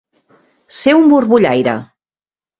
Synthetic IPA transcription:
seumbuɾβuʎajɾa̰

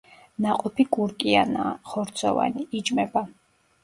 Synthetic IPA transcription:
naqʼɔpʰikʼuɾkʼiana̰ːχɔɾt̪sʰɔ̰va̰niid͡ʒʼmɛba

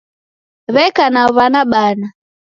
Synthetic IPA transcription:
βɛkanaβanaɓana

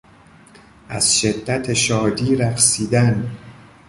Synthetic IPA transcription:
ʔæz̥ʃe̞d̪ːæt̪ʰe̞ʃɒːd̪iːɾæxsiːd̪æn

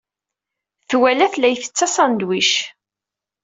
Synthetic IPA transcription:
θwælæθlæjθə̥t͡sːæsɑnd̪wiʃ

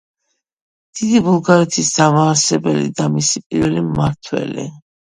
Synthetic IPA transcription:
d̪̥id̪ibulˠɡaɾɛt̪ʰisd̪amaːɾsɛbɛlḭd̪amisipʼiɾvɛlimːaɾt̪ʰwɛ̰lḭ

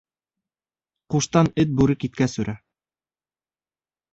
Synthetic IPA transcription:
quʃt̪ɑnɘt̪̚bʉɾɘkit̪̚kæsɵ̆ɾʔæ

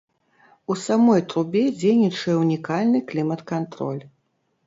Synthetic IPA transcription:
usamɔjt̪ɾubʲɛd͡zʲejnʲit͡ʂɐjɛunʲikalʲnɨklʲimɐt̪kant̪ɾɔ̰lʲ

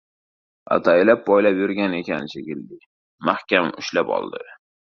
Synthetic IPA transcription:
a̰t̪ʰajlap̚bɒjlapjʊɾɡʲane̞kʲanɪt͡ʃʰekʲɪld̪ɪ | mahkʲamʊʃlapɒ̰lˠd̪ɪ

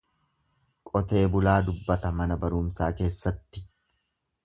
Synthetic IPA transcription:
kʼɔt̪e̞ːbʊlaːd̪ʊbːɐt̪ɐmɐnɐbɐɾʊːmsaːke̞ːsːɐt̪ːɪ̥

